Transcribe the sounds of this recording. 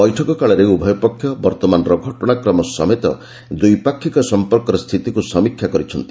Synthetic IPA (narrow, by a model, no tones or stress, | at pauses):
bɔjʈʰɔkɔkaɭɔɾeubʱɔjɔpɔkʰːjɔbɔɾt̪ɔmanɔɾɔɡʱɔʈɔɽ̃akɾɔmɔsɔ̰met̪ɔ̰ | d̪ujpakʰːikɔsɔmpɔɾkɔɾɔst̪ʰit̪ikusɔmikʰːjakɔɾit͡ʃʰɔnt̪i̥